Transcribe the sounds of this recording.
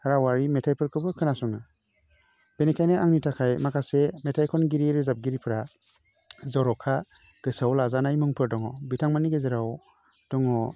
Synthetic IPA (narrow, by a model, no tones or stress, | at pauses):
haɾawaɾimetʰajpʰɯɾkʰɯbɯkʰɯnasɔŋa | b̥enikʰajneaŋnitʰakʰajmakʰasemetʰajkʰɔnɡiɾiɾɯzap̚ɡiɾipʰɾa | zɔɾɔkʰa | ɡ̥ɯsawlazanajmuŋpʰɯɾdɔŋɔbitʰaŋmaniɡezeɾaw | d̥ɔŋɔ